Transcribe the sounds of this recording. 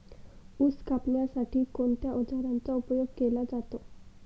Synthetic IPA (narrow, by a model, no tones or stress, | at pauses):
uskapɳjasaʈiːkont̪jaʔɔd͡zaɾant͡saupəjoɡkelad͡zat̪o